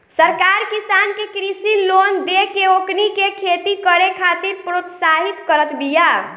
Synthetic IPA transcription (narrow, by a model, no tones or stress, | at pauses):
səɾkaɾkisankekɾisilond̪ekeoknikekʰet̪ikəɾekʰat̪iɾpɾot̪saɦit̪kəɾət̪ʰbija